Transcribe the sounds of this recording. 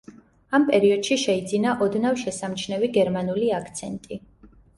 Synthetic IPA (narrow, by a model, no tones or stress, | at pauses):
ampʼɛɾiɔd̪̥ʃiʃɛid̪zinaʔɔd̪navʃɛsamt͡ʃʰnɛviɡɛɾmanuliakʰt̪sʰɛnt̪ʼi